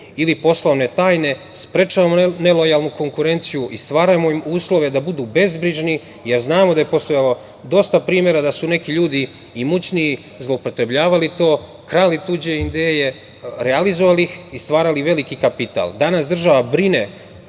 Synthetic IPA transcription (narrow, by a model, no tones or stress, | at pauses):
ilipo̞slˠoʋne̞t̪aːjne̞spɾet͡ʃaʋamone̞lojalnuko̞ŋkuɾe̞nt̪sijuʔist̪ʋaːɾajmoimuːslo̞ʋe̞d̪abud̪uːbe̞zbɾiʒni | je̞ɾznaːmod̪aje̞po̞st̪o̞jalo̞ | d̪o̞st̪apɾiːmje̞ɾad̪asune̞kiʎuːd̪iː | mut͡ɕni | zlˠoupo̞t̪ɾe̞bʎaːʋalit̪o̞ː | kɾalit̪ud͡ʑeid̪eje̞ | ɾealizoʋalixist̪ʋaːɾaliʋe̞likikapit̪a̰lˠd̪anasd̪r̩ʒaʋabɾine